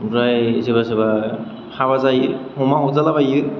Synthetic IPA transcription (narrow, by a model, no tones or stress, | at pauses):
ɾajzeβazeba | haβazajɯhɔmaɔzalabajɯ